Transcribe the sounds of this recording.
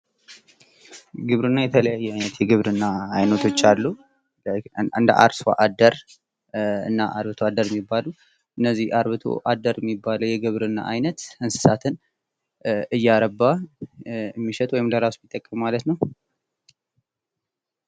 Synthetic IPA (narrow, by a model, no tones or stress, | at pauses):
ɡɨβɾɨnːajɛt̪ʰələjajːɛajnət̪jɛɡɨβɾɨnːaːjnət̪ʰo̞t͡ʃːalːu | ɨnd̪ə̰ʔa̰ɾswa̰ʔad̪əɾ | ɨ̰nːaʔaɾβɨt̪ʰoad̪əɾɛmːibːalu | ʔɨnːəzːihaɾβɨt̪ʰo̞̰ʔad̪əɾjɛmːibːaləwjɛɡɨβɾɨnːa̰ʔajnət̪ɨnsɨ̥sat̪ʰɨn | ɨjːaɾəbːa | ɨmːiʃɛt̪ʼwɔjɪmləɾasmit̪ʼːəkʼːəmmalət̪nəw